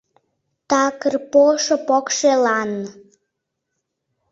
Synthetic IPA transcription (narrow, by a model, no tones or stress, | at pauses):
t̪ɑkərpoʃŏpokʃelɑn